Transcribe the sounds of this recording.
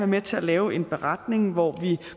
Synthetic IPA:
æɐmet͡sʰe̝ælɛːʊe̝nb̥e̝ʁɑd̥ne̝ŋʋɒʋi

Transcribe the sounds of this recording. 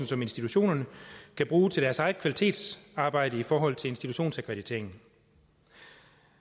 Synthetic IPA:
n̩sɒ̽me̝nsd̥it͡sʰuɕo̝̰ːnɐnəkʰæb̥ʁuːt͡sʰe̝ld̥æɐsɑ̈ɪkʰʋælit͡sʰe̝̰ːd̥sɑ̈ːb̥ɑ̈ɪ̰d̥əifɒːɦɒ̽l̰t͡sʰe̝lensd̥it͡sʰuɕo̝̰ːnsækʰʁɛd̥it͡sʰe̝ɐeŋn̩

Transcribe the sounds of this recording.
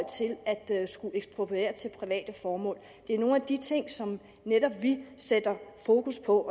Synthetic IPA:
l̰t͡sʰe̝læd̥sɡ̥uʔeɡ̥sb̥ʁopʰḛːɐt͡sʰe̝lpʰʁiʋɛ̰ːd̥əfɒːmɔ̰ːl | d̥e̝æɐno̝ːn̩æd̥it͡sʰe̝ŋ̰sɒ̽m | neɾ̥ɒ̽b̥ʋised̥ɐfo̝ːkʰuspʰɒ̽ɒ

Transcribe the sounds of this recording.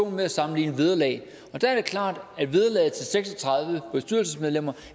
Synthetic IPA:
o̝̰ːn̩meæsɑ̈mn̩lḭːnəʋeð̞ˠɐlɛ̰ɪ | ɒ̽d̥ææɐd̥e̝kʰlɑ̰̈ːd̥æd̥ʋeð̞ˠɐlɛ̰ːð̩ˠt͡sʰe̝lseɡ̥sɒt͡sʰʁɑ̈ð̞ˠʋəb̥esd̥yɐ̰lsəsmeðˠlem̰ɐ

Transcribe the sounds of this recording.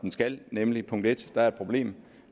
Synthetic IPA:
d̥en̩sɡ̥ælnemlipʰɔ̽ŋ̰d̥e̝d̥d̥ɑ̈æɐe̥pʰʁo̝b̥le̝̰ːm

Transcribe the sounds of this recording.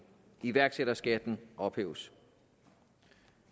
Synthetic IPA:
iʋæɐɡ̥seɾɐsɡ̥æd̥n̩ʔɒ̽b̥hḛːʊs

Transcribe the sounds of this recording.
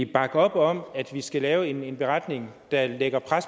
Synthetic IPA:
b̥ɑ̈ɡ̥ɒ̽b̥ɒ̽mæd̥ʋisɡ̥ælɛːʊe̝ne̝nb̥e̝ʁɑd̥ne̝ŋd̥ɑ̈leɡ̥ɐpʰʁas

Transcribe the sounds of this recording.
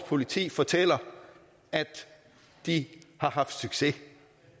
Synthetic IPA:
pʰo̝lit͡sʰḭːfɒt͡sʰel̰ɐ | æd̥ | d̥ihɑ̈ɦɑ̈fd̥syɡ̥se̝

